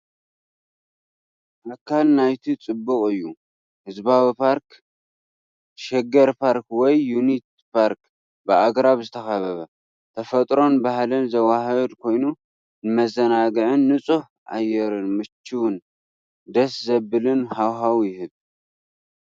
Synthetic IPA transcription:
ʔakʰːalnajt̪ʰit͡sʼɨbːɨkʼɨjːu | hɨzbawipʰaɾk | ʃɛɡɐɾpʰaɾkwɔjːunit̪ | pʰaɾk | bɨaɡɾaβzɨt̪ʰɐxaβɐβɐ | t̪ʰɐfɐt̪ʼɾo̞nbahlɨnzɐwahɐd̪kʰo̞jnu | nɨmɐzɐnaɡɨʕɨnːɨt͡sʼuħ | ʔa̰jːɛɾɨnmɨt͡ʃːiwʊn | d̪ɐszɐbɨlɨnhawɦawjɪɦɨβ

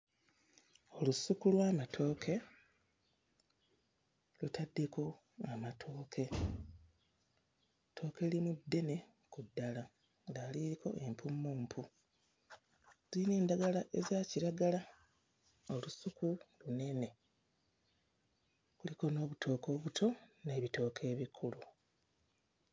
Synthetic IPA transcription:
o̞lusukulwaːmatʰo̞ːkʰe̞ | lutʰadːeko̞ | amatʰo̞ːkʰe̞ | tʰo̞ːke̞limudːe̞ne̞ | kudːala | daːliiko̞̰ʔe̞mpʰumːuːmpʰu | z̥ineːndaɡalaʔe̞zaːciɾaɡala | o̞lusukulune̞ne̞ | kuliko̞no̞ːβutʰo̞ːko̞ːβutʰo̞ne̞ːβito̞ːkʰe̞ːβikʰulu

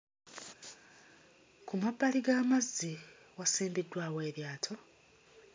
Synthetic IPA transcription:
kumabːaliɡaːmazːi | wasiːndidːwaːwe̞ːɾjaːtʰo

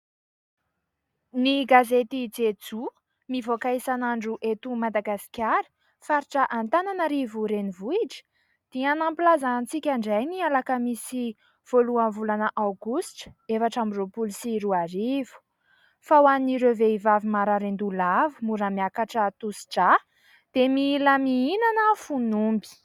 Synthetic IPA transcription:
niɡazet̪id͡zed͡zu | mivokaisanaɳɖ͡ʐuʔet̪umad̪aɡasi̥kʲaɾi̥ | faɾiʈ͡ʂəʔant̪ananaɾivuɾenivuiʈ͡ʂə̥ | d̪̥ianampilazant͡sikʲaɳɖ͡ʐajnialakəmisi | v̥oluanvulanəʔawɡusʈ͡ʂə̥efaʈ͡ʂamiropulisiɾuaɾivu̥ | fawaniɾewveivavimaɾaɾend̪ulavumuɾamiakaʈ͡ʂət̪usi̥ʈ͡ʂa | d̪̥emiləmiinanəfunumbi̥

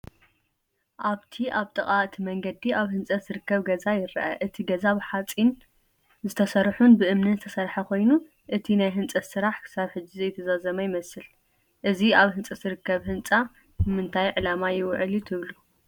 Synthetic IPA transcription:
ʔaβt̪ʰiʔaβt̪ʼɐχʼaɨt̪ʰimɐŋɡɐd̪iʔaβhɨnt͡sʼɐz̥ɨɾɨkːɐβɡɐzajɪɾɐ̰ʔa̰ʔɨt̪ʰiɡɐzaβɨħat͡sʼin | zɨt̪ʰɐsɐɾħunbɨʔɨmnɨnzɨt̪ʰɐ̥sɐɾħɐkʰo̞jnu | ʔɨt̪ʰinajɦɨnt͡sʼɐt̪sɨɾaħkʰɨ̥saβħɨd͡ʒːizɐjt̪ʰɐzazɐmajɪmɐsɨl | ʔɨziaβhɨnt͡sʼɐz̥ɨɾɨkːɐβhɨnt͡sʼa | bɨmɨnt̪ʰajʕɨlamajɪwʕɨlut̪ʰɨβlu

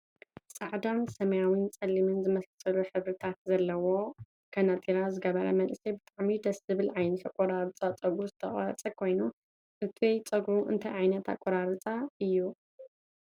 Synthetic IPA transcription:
sʼaʕd̪ansɐmɐjawint͡sʼɐlːimɨnzɨmɐsasʼɐluħɨβɾɨt̪ʰat̪zɐlːɐwo̞ | kʰɐnat̪ʼiɾazɨɡɐβɐɾɐ̰mɐnʔɨsɐjbɨt̪ʼaʕmid̪ɐszɨβɨlʕajnɐt̪ʰakʷʼːɔɾaɾɨt͡sʼat͡sʼɐɡɾuzɨt̪ʰɐχʼa̰ɐt͡sʼɐkʰo̞jnu | ʔɨt̪ʰiwɔjt͡sʼɐɡuʔɨ̰nt̪ʰɐjʕajnɐt̪ʰa̰kʼoɾaɾɨt͡sʼaɨjːu

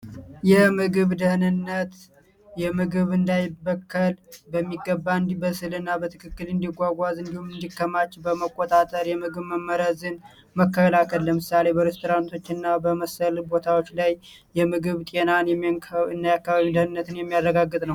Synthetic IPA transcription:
jɛmɨɡɨβd̪əhnɨnːət̪ | jɛmɨɡɨβɨnd̪ajɪbəkʰːəlbəmːiɡːəbːaɨnd̪ibəsɨlɨnːabət̪ʰɨkʰɨkːɨlɨnd̪iɡʷaɡʷazɨnd̪ihumɨnd̪ikʰːəmat͡ʃːbəməkʼːot̪ʼat̪ʼəɾjɛmɨɡɨβməmːəɾəzɨn | məkːəlakʰəlːəmɨsale̞bəɾest̪ʰoɾant̪ʰo̞t͡ʃːɨnːabəməsəlbo̞t̪ʰawo̞t͡ʃːlaj | jɛmɨɡɨβt̪ʼe̞nanjɛɨnd̪ajakːaβaβid̪əhnɨnːət̪ɨnjɛmːijarːəɡaɡːɨt̪ʼnəw

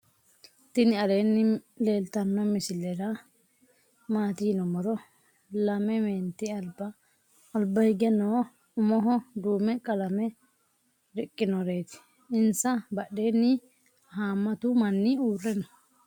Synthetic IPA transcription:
t̪ɪnɪɐleːnːɪ | le̞ːlt̪ɐnːɔmɪsɪlːɛɾɐ | maːt̪iːnɔmɔɾɔ | lɐmɛmeːnt̪ɪɐlbɐ | ɔlbɐhɪɡɛno | ʊmɔɦɔd̪uːmɛkʼɐlɐmɛ | ɾɪkʼːɪnɔɾeːt̪ɪ̥ | ɪnsɐbɐɗːe̞ːnːɪ | haːmːɐt̪ʊmɐnːɪuːrːɛnɔ

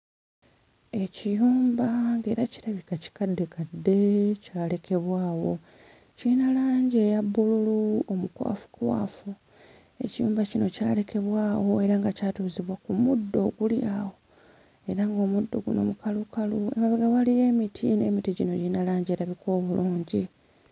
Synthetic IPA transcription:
e̞cijuːmbaŋɡe̞ːɾaci̥ɾaβikaci̥kadːe̞kadːe̞caːle̞kʰe̞βwaːwo̞ | cinalaːɲɟe̞jabːululuomukwa̰ːfu̥kwa̰ːfu | e̞̰cijṵːmbacino̞caːle̞kʰe̞βwaːwo̞e̞ɾaŋɡacaːtuːziβwakumudːo̞ɡuljaːwo̞ | e̞ɾaŋɡo̞ːmudːo̞̰ɡuno̞̰mukalukaluemaβiɡaβalije̞ːmitʰine̞ːmitiɟino̞ɟinalaːɲɟe̞ːɾaβikʰo̞ːβuluːɲɟi

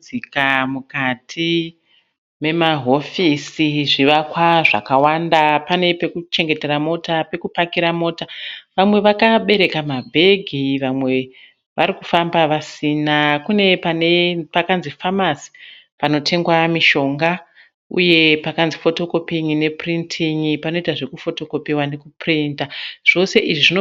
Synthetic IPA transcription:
ikamukatʰi | me̞maɦo̞fisiʐiʋakwaʐa̰kawandapane̞pe̞kut͡ʃe̞ŋɡe̞te̞ɾamo̞tape̞kupakiɾamo̞ːtaʋamwe̞ʋakaɓe̞ɾe̞kamabʱe̞ɡʱiʋamwe̞ | ʋaɾikufambaʋasinakune̞panepakanzifamasi̥ | pano̞tʰe̞ŋɡwamiʃo̞ŋɡa | ṵje̞pakanzifo̞to̞ko̞piŋine̞printʰiŋipano̞itaʐe̞kufo̞to̞ko̞piwane̞kuprintaʐ̥o̞se̞ʔiʐiʐino

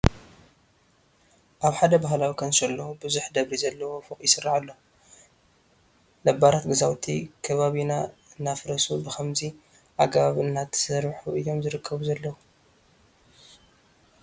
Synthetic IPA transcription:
ʔaβħad̪ɐbaɦlawikʰɐnʃɐlːɐwubɨzuħd̪ɐβɾizɐlːɐwo̞fɨχʼjɪsɨrːaʕalːɐwu | lɐbaɾat̪ɡɐzawt̪ʰikʰɐβaβinaɨnːafɾɐsubɨxɐmzi | ʔaɡɐβaβɨnːat̪ʰːsɐɾħuʔɨjo̞mzɨɾɨkʰːɐβuzɐlːɐwu

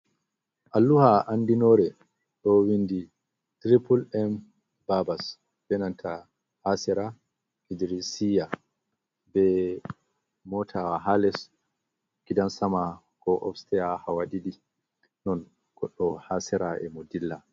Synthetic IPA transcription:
ʔalːuhaʔandinɔɾɛ | ɗɔwindi | tɾipulɛm | babas | b̥ɛnantʰa | hasɛɾa | idɾisija | bɛ | mɔtʰawaɦalɛs | kidansama | kɔʔɔ̰fstɛjahawadidi | nɔn | ɡ̥ɔɗːɔhasɛɾaɛ̰modilːa

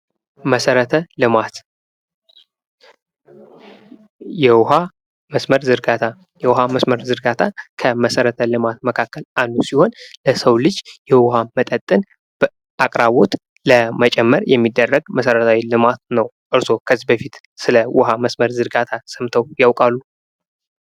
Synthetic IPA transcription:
məsəɾət̪ʰəlɨmat̪ | jɛwʊɦa | məsməɾzɨɾɡat̪ʰa | jɛwʊɦaməsməɾzɨɾɡat̪ʰakʰəməsəɾət̪ʰəlɨmat̪̚məkʰakːəlanːusiho̞nləsəwlɨd͡ʒjɛwʊhamət̪ʼət̪ʼːɨn | b | akʼɾaβo̞t̪ | ləmət͡ʃʼɛmːəɾjɛmːid̪ːərːəɡməsəɾət̪ʰawilɨmat̪nəwʔɨɾso̞kʰəzibəfit̪ | sɨləwʊɦaməsməɾzɨɾɡat̪ʰasəmt̪ʰəwjawkʼalːu

